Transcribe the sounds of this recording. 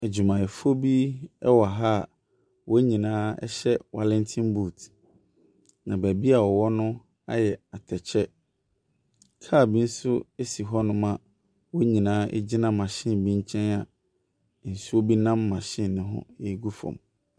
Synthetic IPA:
æ˨d͡ʑu˨mã˨ɛ˨fo˦bi˦ɛ˦wa˨ɦa˦˨ | wʔɔ˦ɲĩ˨nãː˦ɛ̰˦ɕɛ˦wa˨lɛ̃˦ntʰĩ˦nbu˦˨t | nã˨bæ˨bi˦a˨wɔ˨wɔ˦nʊ̃˦ | a̰˦jɛ˨a˨tʰɛ˨t͡ɕʰɛ˦ | kʰaː˦˨bĩ˦n̩˦sʊ˦e˦si˨ɦɔ˦nʊ̃˦mã˨ | wɔ˦ɲĩ˨nãː˦ḛ˦d͡ʑi˦nã˦mã˨ɕɪ̃˦˨nbĩ˦ɲ˦t͡ɕʰɛ̃˦na˨ | n̩˨su˦o˦bi˦nã˦mːã˨ɕɪ̃˦n˨nɪ̃˦ɦʊ̰̃˦e˦ɡu˦fɔ̰̃˨m

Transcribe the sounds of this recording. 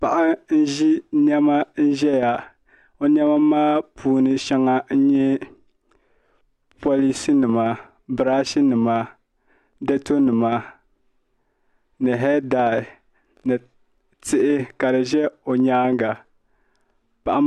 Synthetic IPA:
pa˨ʔa˦n̩˦ʒi˦nɛ˦ma˦n̩˦ʒɛ˦ja˨ | o˦n˦ɛ˦ma˦maː˦pʰuː˦nɨ˨ʃɛ˦ŋa˦n̩˦ɲɛ˦ | po˦li˦si˦nɨ˨ma˨ | bɨ˨ɾa˦ʃi˦nɨ˨ma˨ | dɛ˦to˦nɨ˨ma˨ | nɨ˨ɦɛ˦daː˨ | nɨ˨ | tɪ˦ʔɪ˦ka˨dɨ˨ʒɛ˦o˨ɲaː˦ŋɡa˨ | pa˨ʔa˦

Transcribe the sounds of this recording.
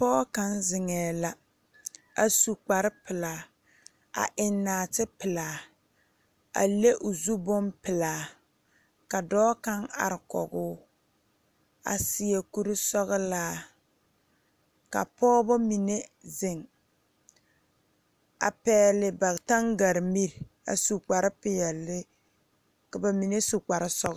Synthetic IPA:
pɔː˦ka˦nzɪ˨ŋɛː˨la˨ | a˨su˨k͡pa˨ɾɪ˦pɪ˨laː˨ | a̰˨ʔɪ˨nːaː˨tɪ˦pɪ˨laː˨ | a̰˨le˦ʔʊ˨zu˦bɔ˦mpɪ˨laː˨ | ka˨dɔː˦ka˦ŋa̰˨ɾɪ˨kɔ̰˨ɡʊː˦ | a̰˨sɪ˨je˨ku˦ɾɪ˦sɔ˦ɣlaː˦ | ka̰˨pɔː˦bɔ˦mi˨ne˦zɪ˨ŋ | a̰˨pɛː˦lɪ˨ba˨ta˦ŋɡa˨ɾmi˦ɾ | a̰˨su˨k͡pa˨ɾɪ˦pɪ˦jɛ˨lːɪ˦ | ka˨ba˨mi˨ne˦su˨k͡pa˨ɾɪ˦sɔ˦ɣ

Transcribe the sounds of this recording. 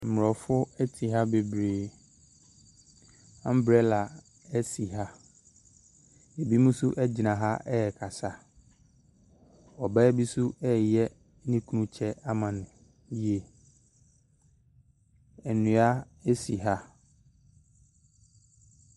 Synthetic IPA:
m̩˨mʊ˨ɔ˨fʊ˦ɛ˦tʰi˨ɦa˦be˨bɾeː˨ | ã˦m̩˦bɾɛ˦la˨ | ɛ˦si˨ɦa˦ | e˨bi˦mũ˦su˦ʔɛ˦d͡ʑɪ˨nã˨ɦa˦ʔɛ˦ɛ˨kʰa˨sa˦ | ɔ˨ba˦bi˦su˦ɛ˦˨jɛ˦ | nĩ˦kʰu˦nũ˦t͡ɕʰɛ˦a˦mã˨nʊ̃˨ | bi˦e˨ | ɛ˨nʊ̃˨a˦ | e˦si˨ɦa˦

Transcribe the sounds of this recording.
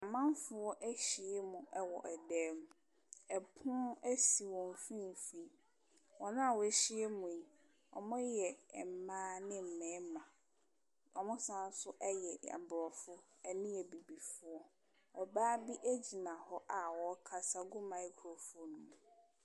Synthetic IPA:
a˨mã˦n˦fʊ˨wɔ˦ʔæ˦ɕi˨ɛ˦mʊ̃˨ʔɛ˦wɔ̰˨ʔɛ˨dɛː˦mʊ̃˨ | ɛ˨pʰʊ̃˦æ˦si˨wɔ̃˨m˨fĩ˦˨fi˦ | wɔ˨nã˦a˨wɔ˨ɛ˨ɕi˦e˦mʊ̃˨e˨ | ɔ̰˨mʊ̃˦jɛ˨m̩˨˦mãː˦nɪ̃˦m̩˨mɛ̃˨˦mã˨ | ɔ˨mʊ̃˦sã˦n˦sʊ˦ʔɛ˦jɛ˨a̰˨bɾɔ˨fʊ˦ | ɛ˨nĩ˦ɛ˨bi˨bi˨fʊ˦ɔ˦ | ɔ˨baː˦bi˦ʔæ˦d͡ʑi˨nã˨hɔ˦ʔa˨wɔ˨˦kʰa˨sa˦ɡʊ˦mã˨i˦kʰɾo˨fʊ˦ɔ˦nũ˨m

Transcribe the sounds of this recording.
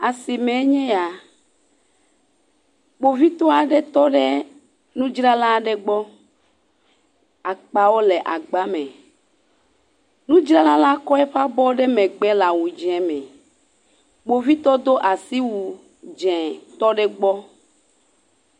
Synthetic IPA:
a˨si˨mẽ˨˦ɲɛ̃˦ja˨ | ɡ͡bo˨vi˦t̪ɔ˦a˨ɖe˦t̪ɔ˦ɖe˦ | nũ˦d͡ʒɾa˦lã˦ɖe˦ɡ͡bɔ˦ | a˨k͡pa˨wo˦le˨ʔa˨ɡ͡ba˦mɛ̃˨ | nũ˦d͡ʒɾa˦lã˦la˦kɔ˦ɛ˦ɸa˦bɔ˦ɖe˦mẽ˨ɡ͡bɛ˦la˨wu˨d͡ʒɛ̃˨mɛ̃˨ | ɡ͡bo˨vi˦t̪ɔ˦d̪o˦ʔa˨si˦wu˨ | d͡ʒɛ̃˨t̪ɔ˦ɖɛ˦ɡ͡bɔ˦

